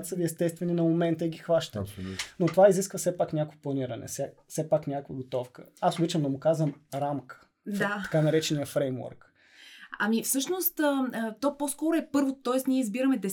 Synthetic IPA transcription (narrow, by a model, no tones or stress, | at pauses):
t̪səviɛst̪ɛst̪vɛninɐmomɛnt̪əiɡʲixvaʃt̪ənot̪ovaiziskvəsɛpaknʲakvɛplˠɐniɾɐnɛ̰sɛsɛpaknʲakvəɡot̪ɔfkə̰asobit͡ʃɐmd̪ɐmʊkazvɐmɾamkə̥ | d̪aɐ̥kanɐɾɛt͡ʃɛnijəfɾɛjmvɔ̰ɾk | ɐmifsɤʃnost̪ət̪oposkɔɾʊɛpɤɾvot̪ot̪ɔɛsniɛizbiɾɐmɛd̪ɛ